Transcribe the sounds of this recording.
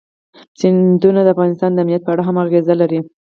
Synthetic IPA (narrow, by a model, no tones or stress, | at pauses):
sɪnd̪unad̪əafɣɑnɪst̪ɑnd̪əamnijat̪̚pəaɽaɦamaɣezalaɾi